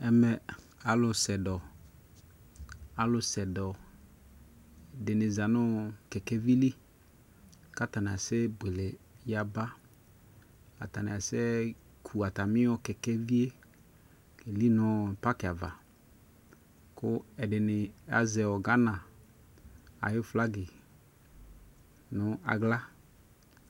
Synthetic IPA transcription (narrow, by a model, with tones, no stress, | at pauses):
ɛ˦mɛ˨ | a˨lʊ˨sɛ˨dɔ˨ | a˨lʊ˨sɛ˨dɔ˨ | dɪ˨nɪ˨za˨nɔ˦kɛ˨kɛ˦vi˦li˦ | ka˦ta˨n˨a˨sɛ˦be˨le˨ja˨ba˦ | a˨ta˨na˨a˨sɛ˦ | kʰu˨a˨ta˨mɪ˦ɔ˦kɛ˨kɛ˦vi˦e˦ | e˨li˦nɔ˦˨pa˦kɪ˨a˨va˨ | kʊ˦ɛ˨dɪ˨nɪ˨a̰˨zɛ˨ɔ˨ɡa˦nã˨ | a̰˨jʊ˦fla˦ɡɪ˨ | nʊ˦a̰˨ɡla˦